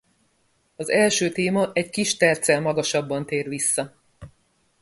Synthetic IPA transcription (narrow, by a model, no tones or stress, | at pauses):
ɒzɛlʃøːt̪eːmɒʔɛckiʃt̪ɛrt̪sɛlmɒɡɒʃɒbːɒnt̪eːrʋisːɒ